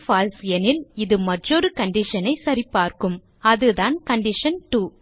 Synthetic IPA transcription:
faːlsɛnɪlɪðɯmɐʈrɔɾɯkɐɳɖɪʂɐnɐɪsɐɾɪpːaːɾkɯm | ɐðɯðaːnkɐɳɖɪʂɐnʈu

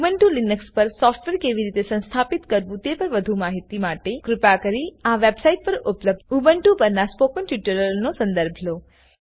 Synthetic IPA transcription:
ubəɳʈulinəkspəɾsɔfʈʋeɾkeʋiɾit̪esə̃nst̪ʰapit̪kəɾʋũt̪epəɾʋəd̪ʱũmaɦit̪imaʈekɾʊpakəɾiaʋebsaiʈ̚pəɾʊpləb̪̚ubəɳʈupəɾnaspokənʈuʈəɾəlnosə̃nd̪əɾbʱlo

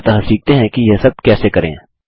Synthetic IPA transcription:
t̪ɐɦãsiːk̚t̪eɦɛ̃kijɛsɐb̚kɛːsekɐɾḛ̃ː

